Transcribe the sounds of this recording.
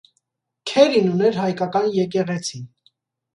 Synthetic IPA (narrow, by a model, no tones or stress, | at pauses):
kʰɛɾinunɛɾɦɑjkɑkɑnjɛk̬ɛʁɛt͡sʰin